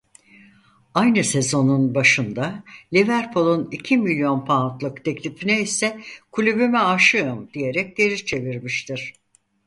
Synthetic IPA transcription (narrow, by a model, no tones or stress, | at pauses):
ajnɯse̞zo̞nunbaʃɯnd̪alʲivæɾpʰolˠunicʰimilʲjo̞npʰant̪lˠɯkt̪ʰɛclʲifinɛisɛkʰulʲybymɛaʃɯɯmd̪̥ije̞ɾɛc̚d̪eɾit͡ʃʰe̞viɾmiʃt̪ʰiɾ̝̥